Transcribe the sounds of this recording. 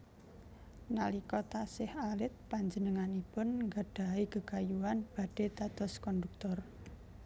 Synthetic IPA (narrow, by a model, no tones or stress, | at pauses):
nalikɔt̪asɪhalɪt̪̚paɲd͡ʒənəŋanipʊnŋɡaɖ̥a̤iɡəɡ̥ajuanb̥a̤ɖ̥e̤d̪ad̪̥ɔ̤skɔnd̪uk̚t̪ɔr